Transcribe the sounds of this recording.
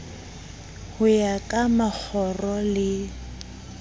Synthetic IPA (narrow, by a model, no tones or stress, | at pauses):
hʊjakʼamak͡xʰɔrɔlɪ